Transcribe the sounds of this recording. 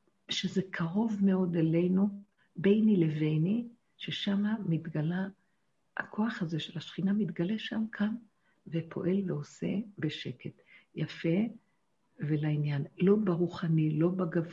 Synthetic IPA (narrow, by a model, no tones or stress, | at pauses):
ʃeze̞kʰaʁo̞vme̞o̞d̪ele̞jnu | be̞jnileve̞jni | ʃeʃamamitɡala | ha̰kʰo̞aχhaze̞ʃelaʃχinamit̪ɡale̞ʃamkʰan | vepʰo̞̰ʔe̞lveo̞se̞̰beʃe̞ke̞tjafe̞ | velainjanlo̞baʁuχanilo̞baɡav